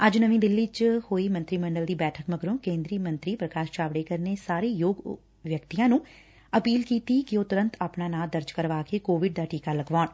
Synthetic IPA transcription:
əd͡ʒnəʋĩːd̪ɪlːit͡ʃhoːiːmə̃nt̪ɾiːməɳɖəld̪iːbɛːʈʰəkməɡɾõːkẽːnd̪ɾiːmə̃nt̪ɾiːpɾəkaːʃt͡ʃaːʋɽeːkəɾneːsaːɾeːjoːɡ | ʋjəkt̪ijãːnũː | əpiːlkiːt̪iːkɪoːt̪ʊɾə̃nt̪aːpnaːnaːd̪əɾd͡ʒkəɾʋaːkeːkoːʋɪɖ̚d̪aːʈiːkaːləɡʋaːn

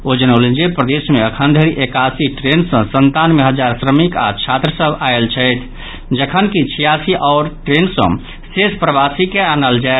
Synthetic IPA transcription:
od͡ʒənəʊlend͡ʒepɾəd̪esmeəkʰənd̪ʱəɾiʔekasiʈɾensə̃sənt̪anmeɦəd͡ʒaɾsɾəmika̰t͡ʃʰat̪ɾəsəbaelt͡ʃʰəɪt̪ʰ | d͡ʒəkʰənkit͡ʃʰijasiʔɔʊɾʈɾensə̰̃ | sespɾəbasikeanəld͡ʒae

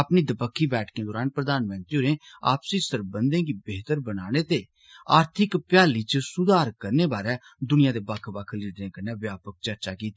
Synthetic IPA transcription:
əpniːd̪əpəkʰːiːbɛːʈʰkẽːd̪ɔːɾaːnpɾəd̪aːnmə̃nt̪ɾioːɾẽː | a̰ːpsiːsəɾbənd̪ẽːɡiːbeːt̪əɾbənaːɽ̃eːt̪eː | aːɾt̪ʰɪkpjaːliːt͡ʃsʊd̪aːɾkəɾneːbaːɾɛː | d̪ʊnɪjãːd̪eːbakʰbakʰliːɖnẽːkəɾneːʋjaːpək̚t͡ʃəɾt͡ʃaːkiːt̪ː

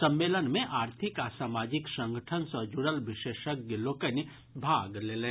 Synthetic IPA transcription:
sɐ̃mːeːlənmẽʔaːɾt̪ʰɪkaːsaːmaːd͡ʒɪksə̃ŋɡəʈʰənsəd͡ʒuɽəlʋɪʃeːʃək̚ɡəloːkən | bʱaːɡleːlẽː

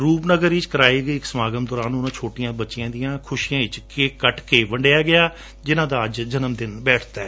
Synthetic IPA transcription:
ɾuːpnəɡəɾiːt͡ʃkəɾaːiːɡəiːɪksəmaːɡəmd̪ɔːɾaːnʊnãːt͡ʃʰoːʈɪjãːbətːt͡ʃɪjãːd̪ijãːkʰʊʃijãːɪt͡ʃkekəʈkeːʋəɳɖejaːɡɪaː | d͡ʒɪnãːd̪aːəd͡ʒd͡ʒənəmd̪ɪnbɛːʈʰt̪aɛː

